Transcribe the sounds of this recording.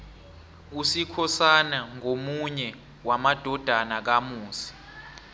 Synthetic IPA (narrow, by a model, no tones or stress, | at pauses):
usikʰɔsanaŋomuɲɛ | wamad̥ʱɔd̥ʱanak̬amuːsi̥